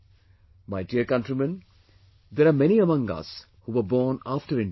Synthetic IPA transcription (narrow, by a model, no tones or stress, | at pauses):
maɪɖiəɾkʌ̃nʈɾimə̃n | d̪eːɾaːmɛniəmʌ̃ŋʌ̰s | huːʋəbɔːnaːfʈəɾɪ̃n